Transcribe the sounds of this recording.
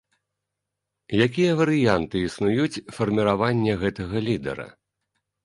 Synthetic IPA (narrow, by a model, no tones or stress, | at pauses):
jakʲijɐvɐɾɨjant̪ɨisnujut͡sʲfɐrmʲiɾavanʲːɛɣɛt̪ɐɣɐlʲid̪ɛ̰ɾɐ̰